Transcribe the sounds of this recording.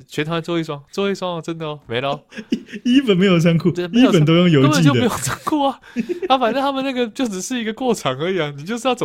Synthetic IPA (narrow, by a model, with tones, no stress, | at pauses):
t͡ɕʰɥɛ˧˥t̪ʰa˥mə˨˦nt͡swɔ˥˧i˥˩s̬wɑ˥ŋt͡swɔ˥˧i˥˩˧swɑ˥ŋ˨ʈ͡ʂə˥nd̪ə˨˩me˧˥ɪlə˧˦i˥pə˨˩nme˧˥ɪjo˨˩ʊsa˥nkʰu˥˧˩t̪we˥˩me˧˥i˥jpə˨nt̪̬o˥ʊjo˥˩ŋjo˧ʊ˥t͡ɕi˥˧t͡ɕd̪ə˨˧˥jo˨˩sa˥nkʰu˥˩ɐ˨˩a˥fa˨nə˥˧t̪ʰa˥mə˨na˥˩ɡə˨t͡ɕjo˥˩ʊʈ͡ʂɻ̩˨˩ʂɻ̩˥˩i˧˥ɡə˧kwɔ˥˩ʈ͡ʂʰɑ˨˩ŋə˧˥i˨˩ɐ˩ni˨˩t͡ɕjo˥˧ʊʂ̬̩˥˧jɑ˥˩ʊt͡so˨